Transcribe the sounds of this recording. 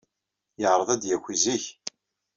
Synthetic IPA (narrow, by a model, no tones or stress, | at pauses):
jəʁɾˤəðˤæd̪jækʷːiziç